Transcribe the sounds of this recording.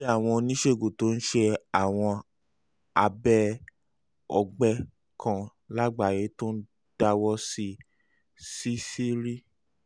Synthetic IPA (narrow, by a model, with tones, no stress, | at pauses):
a˦˨w̃ɔ̃˧nĩ˦ʃe˦˨ɡo˨to˨˦n̩˦ʃe˧a˨w̃ɔ̃˧ | a˧bɛ˦ | ɔ˧ɡ͡bɛ˦ | kʰã˧ | la˦ɡ͡ba˨je˨˦to˦n̩˦ | d̥a˧wɔ˦si˧ | si˦si˦ɾi˦